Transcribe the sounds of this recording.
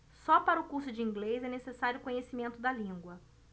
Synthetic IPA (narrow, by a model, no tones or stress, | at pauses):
sɔpaɾɐʊkuɾsʊd͡ʒɪĩŋɡlezɛnesesaɾjʊkõɲesimẽnt̪ʊd̪ɐlĩŋɡwɐ